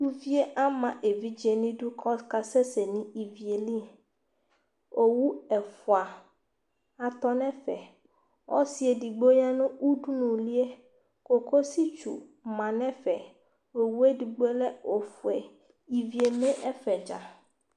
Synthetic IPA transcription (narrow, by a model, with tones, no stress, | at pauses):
tu˦vi˦e˦ʔa˦mã˨ʔe˨vi˦d͡ʒe˨nĩ˦ɖu˦kʰɔ˦ska˦sɛ˦se˨nĩ˦i˨vi˨e˨li˦˨ | o˨wu˦ɛ˨fu˨a˨ | a˨t̪ɔ˦nɛ̃˦fɛ̰˨ | wɔ̰˦si˦e˨di˨ɡ͡bo˦ɲa˦nũ˦u˦ɖu˦nũ˨li˦e˦ | ko˨ko˦si˦t͡ʃṵ˨mã˨nɛ̃˦fɛ˨ | o˨wu˦e˦di˨ɡ͡bu˦e˦lɛ˦o˨fu˨ɛ˨ | i˨vi˨e˨mẽ˦ʔɛ˦fɛ˨d͡ʒa̰˨